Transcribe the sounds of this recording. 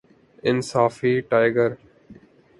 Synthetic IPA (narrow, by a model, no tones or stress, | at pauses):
ɪnsaːfiːʈaːɪɡəɾ